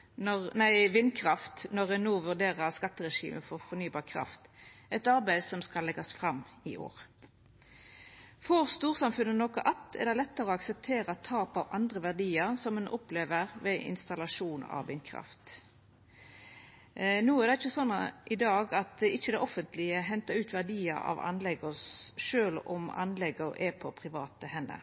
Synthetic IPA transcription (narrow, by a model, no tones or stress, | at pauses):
nɔʁnæɪʋɪnːkʰʁɑft̪nɔʁɛnoːʋʉʁd̪eːʁəʁskɑt̪ːəʁɛʂḭːmʔə̰fɔʁfɔnyːbɑːʁkʰʁɑ̰ft̪ɛt̪ɑɾbæɪdsɔmskɑlːɛɡɑsfʁɑmːɪʔo̰ːʁ | fɔʁst̪uːʁsɑmfʉnːənɔkəʔɑt̪ʰːɛ̰ʁd̪ɛlɛt̪ːəɾɔɑksəp̚t̪ʰeːɾəɑt̪ʰːɑːpɑʋɑnd̪ʁəʋæʁd̪iːəʁsɔmʉnʔɔpleːʋəʁʋɛʔɪ̰nst̪ɑlɑʂuːnɑ̰ʋɪnkʰʁɑ̰ft̪ | nuːæʁd̪ɛɪçːəsɔnːɑʔɪd̪ɑːɡɑt̪̚ɪçːəd̪ɛʔɔfənt̪lɪəɦɛnt̪əʉːt̪ʋæʁd̪iːəɾɑ̰ʋɑ̰nlɛɡɔsʃøːlɔ̰mɑ̰nlɛɡɔʔɛpʰɔpʰʁɪʋɑːt̪əhɛnːə̰